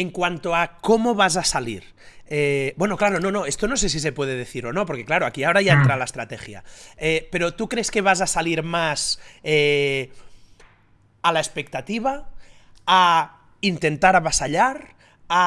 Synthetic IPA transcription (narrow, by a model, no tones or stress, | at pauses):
eŋkwant̪oakomoβaz̬asaliɾ | ebwenoklaɾono̞no̞e̞st̪ono̞s̬es̬is̬epwe̞ðeðeθiɾonopoɾkeklaɾoakiaoɾajaent̪ɾalaest̪ɾat̪exja̰epe̞ɾot̪ukɾeskeβ̞azasaliɾmase | alaespe̞k̚t̪at̪iβ̞aː | int̪e̞nt̪aɾaβasaʎaɾ | a